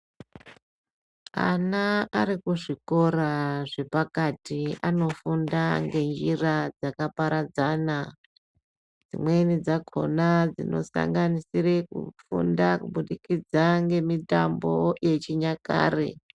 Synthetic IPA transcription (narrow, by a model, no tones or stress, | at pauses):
a̰naːɾikuʐiko̞ɾaʐe̞pakatiano̞fundaŋɡe̞nd͡ʒirad͡zakapaɾad͡zana | d͡zḭmwe̞nid͡zakʰo̞̰nad͡zino̞̰sa̰ŋɡanisire̞kṵfṵndakuɓuɗikid͡zaŋɡe̞mitambo̞je̞t͡ʃiɲaka̰ːrḛ